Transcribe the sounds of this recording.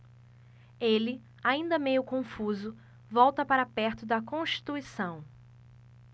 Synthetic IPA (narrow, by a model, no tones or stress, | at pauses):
elɪ | aĩnd̪ɐmejʊkõfuzʊ | vɔwt̪ɐpaɾɐapɛɾt̪ʊd̪ɐkõʃt͡ʃi̥t̪uisɐ̃w̃